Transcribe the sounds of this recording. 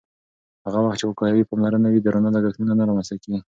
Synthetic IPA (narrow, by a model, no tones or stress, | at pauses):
haɣawaxt̪t͡ʃewəkɑjawipɑmlaɾənawid̪əɾonalaɡaxnunanaɾɑmast̪akewi